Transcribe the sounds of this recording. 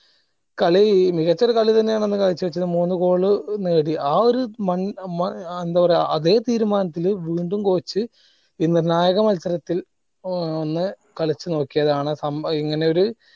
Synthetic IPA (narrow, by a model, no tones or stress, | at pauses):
kɐɭimiɣɐt͡ɕːɐɾɐkɐɭit̪ɐnːejaːɳe̞nːɨkaɣit͡ɕːɨʋɐt͡ɕːɐðɨmuːnːuko̞ːɭɨneːɽiaːo̞ɾumɐnmend̪aːʋɐreɐðe̞ːt̪iːɾumaːnɐt̪ːilʋiːɳɖumko̞ːt͡ɕːɨ | iːnirnaːjɐɣɐmɐlsɐɾɐt̪ːil | onːɨ | kɐɭit͡ɕːɨno̞ːkːijɐðaːɳɨsɐmiŋːɐne̞oɾu